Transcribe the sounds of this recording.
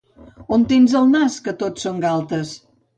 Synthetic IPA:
ont̪enzəlˠnaskət̪otsoŋɡalˠt̪əs

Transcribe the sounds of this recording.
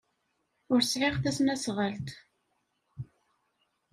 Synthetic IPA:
ʊɾsʕɪʁθæsnæsʁəlt̪

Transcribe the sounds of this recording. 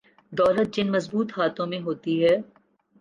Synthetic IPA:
d̪ɔːlət̪̚d͡ʒɪnmɐzbuːt̪ɦaːt̪õmẽɦoːt̪iɦɛː

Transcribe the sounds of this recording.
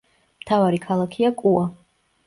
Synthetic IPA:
mt̪ʰavaɾikʰalˠakʰiakʼua

